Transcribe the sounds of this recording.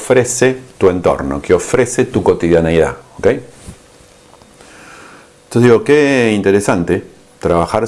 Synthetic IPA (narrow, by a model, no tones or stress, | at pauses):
fɾeset̪ue̞nt̪o̰ɾno̰keofɾeset̪ukot̪iðjaniða̰okej | osziɣokeint̪eɾesant̪e | t̪ɾaβaxaɾ